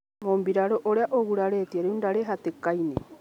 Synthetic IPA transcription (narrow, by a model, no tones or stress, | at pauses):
mombiɾaɾoʔoɾeaʔoɣuɾaɾet̪iaɾeundaɾeɦat̪ekajne